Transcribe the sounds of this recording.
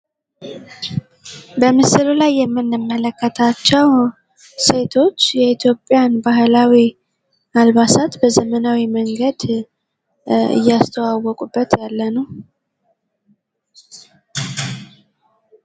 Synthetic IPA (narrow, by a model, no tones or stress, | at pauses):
bəmɨsɨlulajːɛmːɨnːɨmːələkːət̪ʰat͡ʃːɛw | se̞t̪ʰo̞t͡ʃːjɛit̪ʰjo̞pʼjanbaɦlawi | alβasat̪bəzəmənawiməŋɡəd̪ | ɨ̰jːast̪ʰəwawɔkʼubːət̪jalːənəw